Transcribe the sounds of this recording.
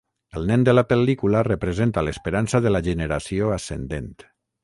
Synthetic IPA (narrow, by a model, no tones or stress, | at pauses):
əlˠnɛnd̪əlapəlikularəpɾəzent̪aləspeɾansaðəlaʒənəɾasioasḛnd̪ent̪